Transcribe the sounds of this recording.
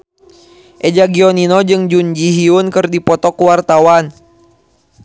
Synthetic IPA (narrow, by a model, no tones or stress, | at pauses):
ʔɛd͡ʒaɡiɔninɔd͡ʒɨŋd͡ʒuɲd͡ʒiɦiunkɨrdipɔt̪ɔkuwart̪awan